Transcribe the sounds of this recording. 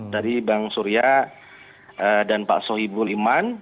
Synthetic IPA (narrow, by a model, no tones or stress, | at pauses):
daɾibaŋsuɾia | ədanpa̰ʔsɔɦibʊliman